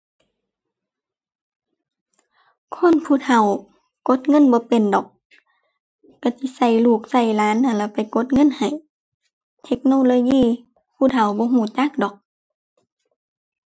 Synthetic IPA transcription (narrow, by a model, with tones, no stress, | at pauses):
kʰɔː˧˥˨npʰuː˧˨t̪ʰa˧˩w | ko˧˦t̪̚ŋɤ˧˥˨nbɔː˧˦pe˨ndɔː˨˩k̚ | a˧˩si˧˥˦sa˧˩jluː˧˩k̚sa˧˩jlaː˨˦˥nːa˧˩nla˧˩pa˨˩jko˧˥t̪̚ŋɤ˧˥˨nha˨˩j | t̪ʰe˧˥k̚noː˧˨loː˧˨jiː˧˥˨ | pʰuː˧˥˨t̪ʰa˨˩wbɔː˧˦ɦuː˧˩t͡ɕa˧˥˨k̚dɔː˨˩k̚